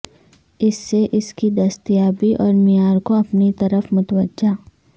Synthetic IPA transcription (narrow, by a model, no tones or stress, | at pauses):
ɪsːeʔɪskid̪ɐst̪jaːbiʔɔːɾmijaːɾkoɐpnit̪ɐɾəfmʊt̪wəd͡ʒʒaː